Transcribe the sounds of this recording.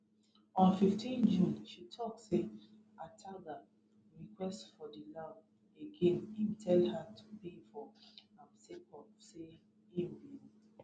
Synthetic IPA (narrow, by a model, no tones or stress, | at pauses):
ɔ̃nfiftʰĩnd͡ʒũnʃitʰɔkse | atʰaɡa | ɹikwɛstfɔdila | eɡẽnimtʰɛlhatʰu̥pefɔãmsekɔpse | imbi